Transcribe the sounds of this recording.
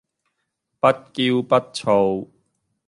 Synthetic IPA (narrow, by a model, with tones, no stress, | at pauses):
pɐ˦˥t̚ki˧wpɐ˦t̚t͡sʰo˧w